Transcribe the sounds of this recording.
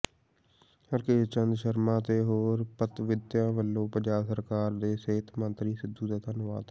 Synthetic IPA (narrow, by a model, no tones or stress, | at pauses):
əɾkeːt͡ʃənd̪ʃəɾmãːt̪eːɦoːɾpət̪ʋɪd̪jãːʋəlːõːpəd͡ʒaːsəɾkaːɾd̪eːseːt̪ʰmə̃nt̪ɾiːsɪd̪uːd̪aːt̪ãːnʊʋa̰ːt̪ː